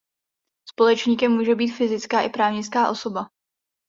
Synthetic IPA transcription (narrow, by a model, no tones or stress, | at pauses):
spo̞lɛt͡ʃɲiːkɛmːuːʒɛbiːt̪fɪzɪt͡skaːʔɪpɾaːvɲɪt͡skaːʔo̞so̞ba